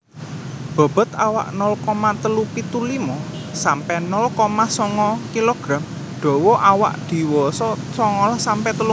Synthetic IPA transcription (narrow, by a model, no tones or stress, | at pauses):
b̥a̤b̥ə̤t̪awa̰ʔnɔlkɔmat̪əlupit̪ulimɔ | sampɛnɔlkɔmasɔŋɔkiloɡ̥ɾam | d̪̥o̤wɔʔawa̰ʔd̪̥i̤wɔsɔ | sɔŋɔlɔsampɛt̪əlu